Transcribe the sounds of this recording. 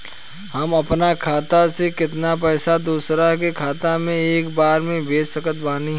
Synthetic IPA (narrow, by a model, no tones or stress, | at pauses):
hɐmɐpnakʰaːt̪asekɪt̪nap̬ɛːsad̪uːsɾak̬ekʰaːt̪amẽeːkbaːɾmẽbeːəkət̪̚baːniɦ